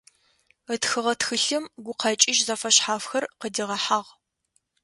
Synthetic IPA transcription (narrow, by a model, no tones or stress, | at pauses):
ətxɨʁɐtxɨɬɨmɡʷʊqʰɑt͡ʃʼɪʒzɐfɐɕħaːfxɐrqədiʁɐħaːʁ